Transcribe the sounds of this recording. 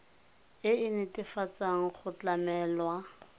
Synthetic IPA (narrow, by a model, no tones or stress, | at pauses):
ɪɪnɪtʼɪfat͡sʼaŋ̩χʊt͡ɬamɛːlwa